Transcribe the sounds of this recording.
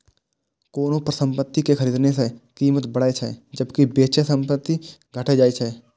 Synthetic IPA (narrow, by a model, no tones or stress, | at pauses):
koːnõpɾəsə̃mpət̪ːikexɐɾiːd̪nesekiːmət̪bəɽaːet͡ʃʰɛ̰d͡ʒəbkibeːt͡ʃesə̃mpət̪ːiɡʱəʈʰed͡ʒaːit͡ʃʰɛː